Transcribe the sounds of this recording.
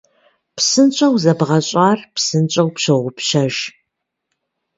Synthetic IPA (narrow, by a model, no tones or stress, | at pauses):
psɨnt͡ʃʼɐwzɐbʁɐɕʼaːrpsɨnt͡ʃʼɐwpɕɐʁʷʊpʃɐʒ